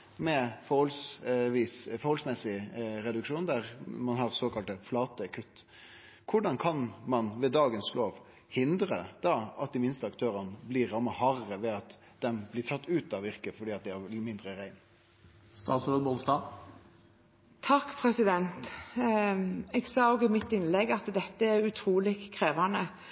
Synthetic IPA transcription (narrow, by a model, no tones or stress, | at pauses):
mɛfɔʁhɔlsʋiːsfɔɾhɔlsmɛsːɪɾɛd̪ʉkʂuːnd̪æʁmɑnɦɑɾsoːkɑlt̪əflɑːt̪əkʰʉt̪ː | kʰʊɖɑnkʰɑnmɑnʋɛd̪ɑːɡənsloːʋ | hɪnd̪ɾəd̪̥ɑɑt̪̚d̪ɪmɪnst̪əɑkt̪ʰøːɾənəblɪɾɑmːəhɑɾəʋɛɑt̪ | d̪̥ɛmblɪtʰɑt̪ːʉːt̪ɑʋɪɾkəfɔɖiːɑt̪̚d̪ɛæmɪnd̪ɾəɾæɪn | st̪ɑ̰ːt̪sɾd̪bɔst̪ɑː | t̪ʰɑkːpʰɾɛsɪd̪ɛnt̪ | ɛɡsɑːoːɡɪmɪt̪ːɪnlɛɡɑt̪d̪ɛt̪ːəɛɾʉt̪ʰɾuːlɪkkʰɾeːʋɑnə